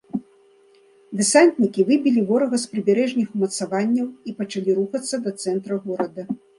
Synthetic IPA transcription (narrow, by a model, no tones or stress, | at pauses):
d̪ɨsanʲt̪ʲnʲikʲivɨbʲilʲivɔɾɐɣɐspɾɨbʲɛɾɛʐnʲixmɐt̪savanʲːɐwipɐt͡ʂalʲiɾuxɐt̪sːɐd̪ɐt̪sɛnt̪ɾɐɣɔɾɐd̪ɐ